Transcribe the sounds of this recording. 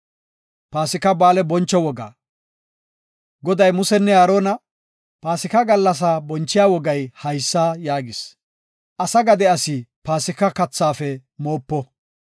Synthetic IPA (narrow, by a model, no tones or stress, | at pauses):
paːsɪkɐbaːlɛbɔnt͡ʃːɔwɔɡa̰ː | ɡɔd̪ɐjmʊsɛnːɛaːɾoːnɐ | paːsɪkɐɡɐlːɐs̬aːbɔnt͡ʃːɪjaːwɔɡɐjhɐjsːaːjaːɡɪs | ʔɐsɐɡɐd̪ɛɐsɪpaːsɪkːɐkɐt͡sːaːfɛmoːpːɔ